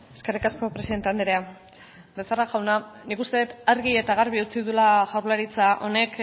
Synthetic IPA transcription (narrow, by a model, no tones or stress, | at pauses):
e̞ske̞rikasko̞pɾe̞siðe̞nt̪e̞and̪eɾea | besaraɣawnanikust̪e̞ðet̪aɾɣie̞t̪aɣaɾβiut͡siðulaʝawɾlaɾit͡saʔo̞̰ne̞k